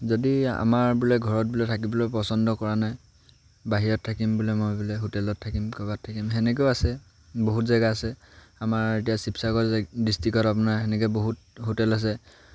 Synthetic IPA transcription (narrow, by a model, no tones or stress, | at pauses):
zodia̰maɹbulɔɡʱɔɹɔt̚bulɛtʰak̬ibɔlɔjpɔsɔndɔkɔɹanaj | baɦiɹɔtʰːakimbulɛmojbulɛɦotɛlɔtʰːakimkɔbatʰːakimɦɛnɛk̬oasɛ | boɦutzaɡaːsɛ | amaɹet̬ijasipsakɔdistikɔtap̬ʊnaɹɦɛnɛkɔboɦut̚ | ɦotɛlas̬ɛ